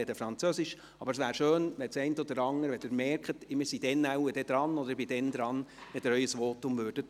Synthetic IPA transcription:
ɛdəfɾɑnt͡søsɪʃ | ɑbəɾsʋæːɾʃøːnʋɛt͡sɛɪntɔd̪əɾɑŋːəɾʋɛd̥ɪɾmɛrkχətɪmɪsid̥ɛnːæwədɛd̥̪ɾɑnɔd̪əɾbid̥ɛnd̪ɾɑnʋɛd̥ɪɾœʏəsʋɔːtʊmvøːɾd̥ət

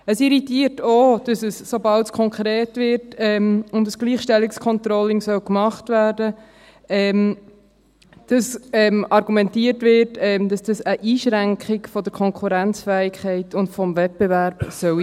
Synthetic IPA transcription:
əsiɾitiːəɾtoːd̥ɑsəsːobɑltskʰɔŋkʰɾeːtʋɪɾtɛmʊndəsɡ̥liːχʃtɛlːikskʰɔntɾɔlɪŋsœwkmɑχtvæːɾdə | ɛm | d̥ɑsɛmɑɾɡumɛntiːətʋɪɾtɛmd̥ɑsd̥ɑsəʔiːʃɾæŋkɪkfɔd̪əɾkʰɔŋkʰuɾænt͡sfɛːɪkχɛɪtʊntfɔmvɛt̚b̥evæɾb̥sœw

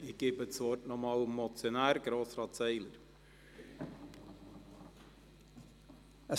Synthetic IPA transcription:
ɪɡ̥ɪːbət̪sʋɔːtnɔmɑːlmmɔt͡sjɔnæːɾɡ̥ɾoːsɾɑːt̪sɛɪləɾ | ə

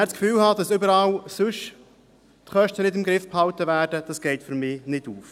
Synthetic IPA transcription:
æːskfyːlhɑd̪̥ɑsʏbəɾɑːlsʊʃ | tχœʃtənɪdɪmɡɾɪfphɑwtəvæːɾd̥əd̥ɑsɡ̥ɛɪtfʏɾmɪːnɪduːf

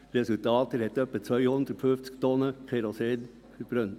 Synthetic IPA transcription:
ɾɛsʉlt̪ʰɑːt̪əɾɛt̪œpːət̪sœʏhɔnt̪ʰpʰʉft̪skt̪oːnəkʰeɾɔseːd̪ | b̥ɾœn

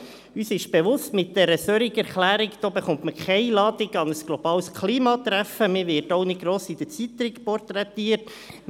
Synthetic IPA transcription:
yːsɪʃb̥eʋʊstmɪt̚d̥̪ɛɾəsœɾiɡɛɾχlæːɾikd̥̪oːbeχʊnt̪məkʰɛɪjlɑːd̥̪ɪɡɑnəsɡ̥lɔb̥ɑːlskʰliːmɑt̪ɾæfəmɪʋɪːrtoʊnɪɡɾoːsid̥̪ət͡sit̪ɾɪkpɔrtɾɛt̪iːət

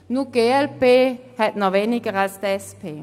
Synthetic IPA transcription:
nuɡ̥eelbe | hædnɔʋeniɡ̥əʁasd̪̥ɛspʰe

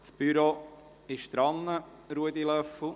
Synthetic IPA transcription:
t͡sb̥yɾo | ɪʃt̪ɾɑnːə | ɾuəd̪ilœfl̩

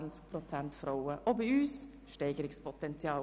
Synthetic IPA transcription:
nt͡sk̚prɔt͡sæntfɾoʊəʔobiyːs | ʃtɛɪɡəɾɪkspʰɔtɛnt͡sjɑː

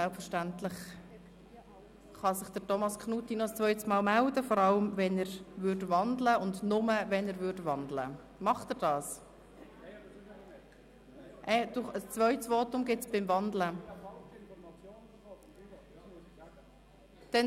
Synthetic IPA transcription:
sɛlpfəɾʃtæntlɪχ | χɑsɪχd̥əɾtɔmɑskχnuːtinɔəst͡sʋœʏtəsmɑːlmældəfɔɾɑləmvɛnɛːɾvʏrdvɑndləʊndnʊməvɛnɛːɾvʏɾdʋɑnd̪lə̰ | mɑχtəːɾd̥ɑːs | ʔɛd̥uəst͡sʋœʏtəsʋɔːtʊmɡɪtsb̥ɪmvɑnd̪lə | d̥ɛn

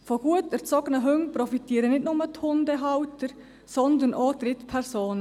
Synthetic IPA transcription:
fɔɡ̥uətɛɾt͡sɔɡ̥ənəɦɵŋpɾɔfitiːəɾənɪtnʊmət̪hʊndɛɦɑwtəɾ | sɔnd̪ənʔɔːd̪ɾɪt̪pʰɛɾsoːnə

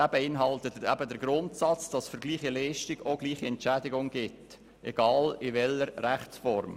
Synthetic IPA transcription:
æbəɪnɦɑlt̪ətæbədəɾɡɾʊntsɑt͡sd̥ɑsfəɾɡliːχilɛɪʃtɪɡoɡliːχiɛntt͡ʃædɪɡʊŋɡ̥ɪt | ʔɛɡ̥ɑːlɪʋɛləɾræχt͡sfɔɾm

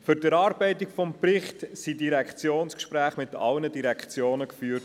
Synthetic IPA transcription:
fʏɾdəɾɑːɾb̥ɛɪtikfɔmprɪχtsidiɾɛkχt͡sjoːnskʃpɾæːχmɪtɑ̰lnədiɾɛkχt͡sjoːnəkfyːrt

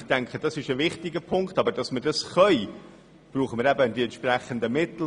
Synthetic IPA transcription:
tæŋkχəd̥ɑsɪʃəvɪχtɪɡəpʰʊŋktɑbəɾd̥ɑsmədɑsχœʏ | b̥ruːχəmɪɾɛbədiɛntʃpræχənd̪əmɪtl̩

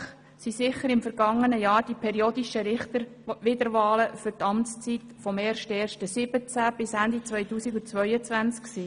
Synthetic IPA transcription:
χ | sisɪχəɾɪmfəɾɡɑŋːənəjɑːɾd̥ipʰɛɾioːd̪iʃəɾɪχt̪əʋɪd̪əɾʋɑːləfʏɾtɑmtst͡sitfɔmeːɾʃtɛːɾʃtəsɪb̥ət͡sæb̥ɪsænd̪it͡sʋœjtuːsiɡut͡sʋœʏət͡sʋænt͡skksiː

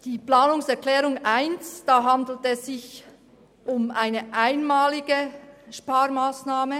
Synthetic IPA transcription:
d̥iːplaːnʊŋsɛɐklɛːʁʊŋʔaɪnsd̥ɑːɦɑndl̩tɛsz̥ɪç | ʔʊmaɪnəʔaɪnmaːlɪɡəʃpaːɾmaːsnaːmə

